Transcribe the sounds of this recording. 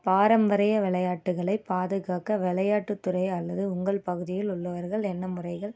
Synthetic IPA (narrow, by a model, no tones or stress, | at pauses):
paːɾɐmbɐɾɐjɐʋɪɭɐjaːʈːɯɣɐɭɐɪpːaːðɯɣaːkɐʋɪɭɐjaːʈːɯt̪ːɯɾɐɪɐlːɐðɯʊŋɡɐɭpɐɣɯðɪjɪlʊɭːɐʋɐɾɣɐɭɛnːɐmɯrɐɪɣɐɭ